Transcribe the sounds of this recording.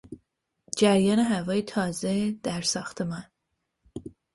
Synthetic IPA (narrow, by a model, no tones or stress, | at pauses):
d͡ʒæɾjɒːneɦævɒːjet̪ʰɒːzed̪̥æɾsɒːxt̪ʰemæn